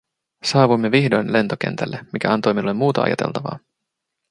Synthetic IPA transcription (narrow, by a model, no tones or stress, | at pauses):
sɑːʋujmːeʋiçdojnle̞nt̪ok̟e̞̰nt̪ælːemikæɑnt̪o̞jminulːemːuːt̪ɑ̰ɑ̰jɑt̪e̞̰lt̪ɑʋɑ̰ː